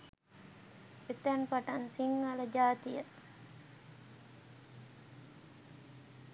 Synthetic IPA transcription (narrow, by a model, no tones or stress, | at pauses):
et̪ɛnpaʈansiŋːaləd͡ʒaːt̪ijə